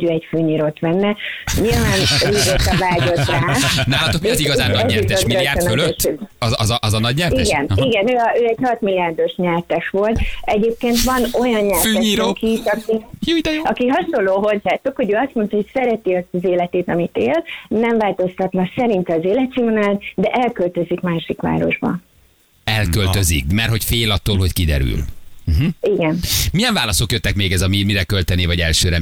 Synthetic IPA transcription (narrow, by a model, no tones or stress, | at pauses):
ɟøːɛcføːɲiːɾoːt̪ʋɛnːɛɲilvaːnreːɡɛt̪ɛvaːɟo̞t̪ːaːnɛɔt̪okøziɡɒzaːnɛɛiɛɔmiliaːɾɛnøløʃøzɒzʔɒzɒnɒɟɲɛiɡɛniɡɛnøːøːɛɟhɒt̪milːiaːrd̪o̞ʃɲɛrt̪ɛʃʋo̞lt̪ɛɟeːp̚keːnt̪ʋɒno̞jɒɲɲɛrøɲiːɾokiʃɒkijud̪ɛjoɒkiɦɒʃo̞nlːoːɦo̞zːaːt̪ːukhoɟøːɒst̪mo̞nt̪ɒho̞csɛɾɛt̪iɒst̪ɒzeːlɛt̪eːt̪ɒmit̪eːlnɛɱvaːlt̪o̞st̪ɒt̪nɒksɛɾint̪ɛːzeːlɛt̪simonand̪ɛʔɛlkølt̪øzikmaːʃikʋa̰ːɾo̞̰ʒbɒ̰ | ɛlkølø̞zḭk̚mɛrho̞cfeːlɒt̪ːoːlɦo̞ckid̪ɛ̰ɾy̰l̩ɦ̩iɡɛnmijɛɱvaːlɒso̞kjøt̪ːɛkmeːɡɛzɒmimiɾɛkølt̪ɛneːvɒɟɛlʃøːɾɛ